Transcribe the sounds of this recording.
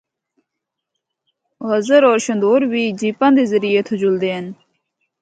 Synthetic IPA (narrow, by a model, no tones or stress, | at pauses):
ɣəzəɾoːɾɕənd̪oːɾbiːd͡ʑipãnd̪ezəɾijeːt̪ʰʊd͡ʑuld̪eːn